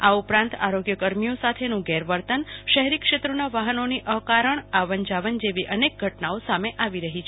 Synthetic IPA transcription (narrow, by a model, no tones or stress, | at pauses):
aupɾãnt̪a̰ɾoɡjəkəɾmijosat̪ʰenũɡɛɾʋəɾt̪ənʃəɦɾikʃet̪ɾonaʋaɦənoniʔəkaɾəɳaʋəɲd͡ʒaʋənd͡ʒeʋiʔənek̚ɡʱəʈnaosameʔaʋiɾəɦit͡ʃʰ